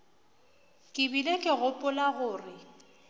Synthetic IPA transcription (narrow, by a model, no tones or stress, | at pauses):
kʼɪbilekʼɪɣʊpʼʊlaɣʊːrɪ